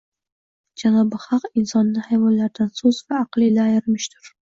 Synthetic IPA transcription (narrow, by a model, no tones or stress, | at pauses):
d͡ʒanɒbɪhɑqɪnsɒnːɪhajvɒnlaɾd̪ansɵzvaːqlˠɪlaːjɪɾmɪʃt̪ʰʊɾ